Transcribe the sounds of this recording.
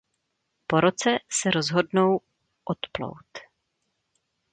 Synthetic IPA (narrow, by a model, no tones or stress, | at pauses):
po̞ɾot͡sɛsɛɾozɦo̞dno̞w | ʔot̪plo̰wt̪